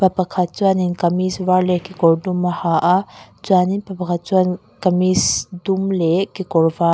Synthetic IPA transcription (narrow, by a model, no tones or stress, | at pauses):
papakʰat͡suaninkɐmisvaɾlekikɔɾdumːahaʔa | t͡suaninpapakʰat͡suan | kɐmisdumlɛkikɔɾva